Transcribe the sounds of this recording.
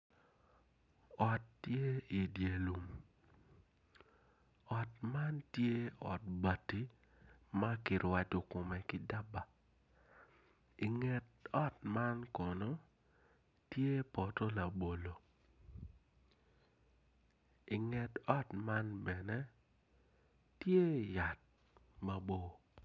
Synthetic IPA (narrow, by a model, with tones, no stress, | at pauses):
ɔ˨tːje˦i˨dje˨lu˨m | ɔ˨tma˦ntje˦ɔ̰˨t̚ba˨ti˦ | ma˦kɪ˨ɾwa˦t͡ʃo˨kʊ˨mɛ˨kɪ˦da˦ba˨ | i˨ŋɛ˨tɔ˦tma˦nkɔ˨nɔ˦ | tje˦pɔ˨to˦la˨bo˨lo˨ | ɪ˨ŋɛ˨tɔ˦tma˦nbɛ˨nɛ˦ | tje˦ja˨t̚ | ma˦bo˦˨